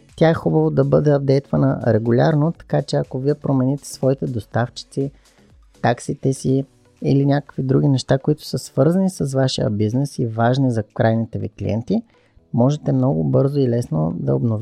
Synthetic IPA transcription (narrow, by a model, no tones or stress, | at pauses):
t̪ʲaɛxubəvod̪ɐbɤd̪ɛɐb̚d̪ɛjst̪vənə̰ɾɛɡʊlʲaɾnot̪ɐ̥kat͡ʃɛɐkoviɛpɾomɛnit̪ɛ̥svɔit̪ɛd̪ost̪aft͡ʃi̥t̪si | t̪aksit̪ɛsi | ilinʲakə̥kvid̪ɾuɡʲinɛʃt̪akoit̪ʊ̥səsv̥ɤɾzɐnisəsvaʃijə̰biznɛsivaʒnizɐkɾajnit̪ɛvḭklḭɛ̰nt̪i | mɔʒɛt̪ɛmnɔɡʊbɤɾzoilɛsno̰d̪ɐ̰obnov